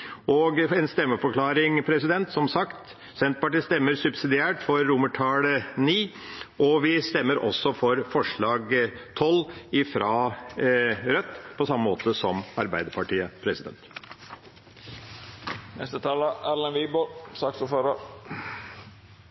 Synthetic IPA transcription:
ɔɡɛnst̪ɛmːəfɔkʰlɑːɾɪŋpʰɾɛsɪd̪ɛnt̪sɔmsɑkt̪ | sɛnt̪pɑʈiːst̪ɛmːəɾsʉbsɪd̪ɪæːʈfɔɾːʊməʈʰɑːləniː | ʔɔʋɪst̪ɛmːəɾʔɔ̰sːɔfɔɾfɔʂɭɑːɡt̪ʰɔlɪfɾɑː | ɾœt̪ːpʰɔsɑmːəmoːt̪əsɔmɑɾbæɪd̪əɾpʰɑʈiːəpʰɾɛsɪd̪ɛ̰nt̪ | nɛst̪ət̪ʰɑːlɑæɾlənʋiːbɔɾsɑksuføɾəɾ

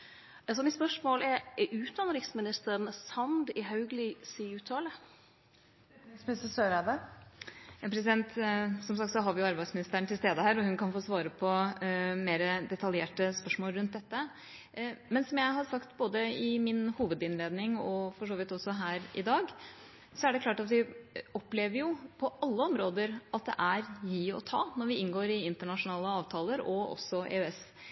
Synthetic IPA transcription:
s̬ɔmɪspœʂmoːlɛɾʔʉːt̪̚d̪ɑnəɾɪksmɪnɪst̪əɾɳsɑnd̪ɪɦɑʉɡlɪsiʉːt̪ʰɑːlə | spsəsøːɾɛb̪ə | jɑːpʰɾɛs̬ɪd̪ɛnt̪sɔmsɑk̚t̪sɔɦɑɾʋɪjʊɑɾbæɪsmɪnɪst̪æːɾɳət̪ʰɪlst̪eːd̪əhæːɾɔhʉnkʰɑnfoːsʋɑːɾəpʰɔmeːɾəd̪ɛt̪ɑljeːʈəspœʂmoːlɾʉnt̪̚d̪ɛt̪ːə | mɛnsɔmjæɪɦɑɾsɑkt̪boːd̪əɪmɪnhuːʋəd̪ɪnleːd̪nɪŋɔfɔʂoːʋɪt̪ːɔsːɔɦæːɾɪ̰d̪ɑːɡ | sɔæɖɛkʰlɑːʈɑt̪ʋɪɔpleːʋəɾjʊpʰɔʔɑlːəɔmɾoːd̪əɾʔɑt̪̚d̪ɛ̰ʔæɾjiːɔ̰t̪ʰɑːnɔɾʋɪɪnɡoːɾɪɪnt̪əɳɑʂʊnɑːləɑːʋt̪ʰɑːləɾɔʔɔ̰sːɔʔḛːøːɛs

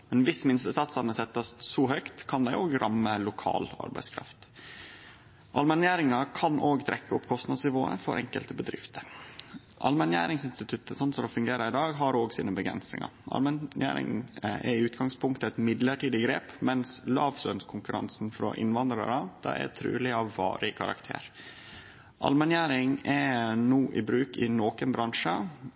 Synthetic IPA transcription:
mɛnʋɪsmɪnst̪əsɑt̪sɑnəsɛt̪ːɑssɔɦœʏkt̪kʰɑnd̪æɪʔoːɡɾʔɑmːəlʊkʰɑ̰ːlɑ̰ɾbæɪskʰɾɑ̰ft̪ | ʔɑlmɛnjæːɾɪŋɑkʰɑnʔoːɡt̪ʰɾɛkːəɔpːkʰɔst̪nɑd̪snɪʋoːə̰fɔ̰ɾʔɛŋkəlt̪əbəd̪ɾɪft̪ʰə | ʔɑ̰lmɛnjæ̰ːɾɪŋsɪnst̪ɪt̪ʰʉt̪ːəsɔnt̪sɔd̪ɔfʉŋɡeːɾəɪd̪ɑːɡɦɑɾoːɡsiːnəbəɡɾɛ̰nsnɪ̰ŋɑ̰ɾʔɑ̰lmɛjæ̰ːɾɪ̰ŋʔɛɾɪʉːt̪ɡɑŋspʰʊŋk̚t̪əɛt̪mɪd̪ləʈiːd̪ɪɡɾḛːpmɛnslɑːʋsœnskʰʊŋkʉɾɑ̰nsnfɾɔ̰ʔɪ̰nʋɑnd̪ɾɑɾəd̪̥ɑ̰ɛ̰t̪ʰɾy̰ːlɪɑʋɑ̰ːɾɪkʰɑɾɑ̰kt̪ʰḛːɾ | ʔɑ̰lmɛnjæːɾɪŋɛnuːʔɪbɾʉːkɪnoːkənbɾɑŋʂə

